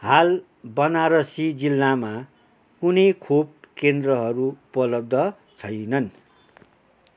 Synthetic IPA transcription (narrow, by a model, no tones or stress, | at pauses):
hal | bʌnaɾʌsid͡zilːama | kunʌjkʰob̚kend̪rʌɦʌɾuupʌlʌb̚d̪ʱʌ | t͡sʰʌjnʌn